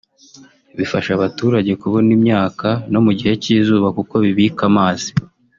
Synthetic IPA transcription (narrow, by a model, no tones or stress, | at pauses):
βifaʃaβatuːɾaɟe̞kuβonimɲaːkano̞muɟihe̞cizuːβakuko̞βiβikamaːzi̥